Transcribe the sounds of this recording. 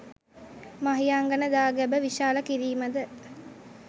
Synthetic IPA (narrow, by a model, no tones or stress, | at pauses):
maɦijaːŋɡɐnəd̪aːɡæbəʋiʃaːləkiɾiːməd̪ə